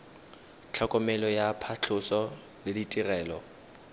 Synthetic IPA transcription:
t͡ɬʰakʼɔmɛlɔjapʰat͡ɬʰʊsɔ | lɪditʼirɛːlɔ

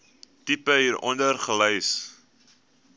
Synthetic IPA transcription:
tipəɦiːɾʔɔ̰ndərχələjs

